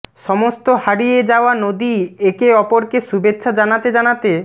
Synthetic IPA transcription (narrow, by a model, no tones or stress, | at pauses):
ʃɔmost̪ohaɽijed͡ʑaoanod̪iekeɔpoɾkeʃubetːɕʰad͡ʑanat̪ed͡ʑanat̪e